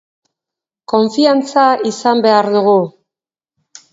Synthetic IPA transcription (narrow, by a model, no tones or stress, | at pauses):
ko̞ɱfiant͡saisambe̞aɾðuɣu